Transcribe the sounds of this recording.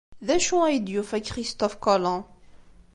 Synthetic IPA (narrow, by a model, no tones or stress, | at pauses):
ðæʃuæjəd̪jufækːχist̪ɔfkɔlɑ̃